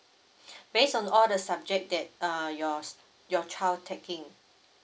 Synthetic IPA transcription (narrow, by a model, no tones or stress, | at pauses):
besɔ̃nɔldəsab̚d͡ʒɛk̚dɛt̚əjɔ | jɔt͡ʃʰaɪld̚tʰɛkɪ̃ŋ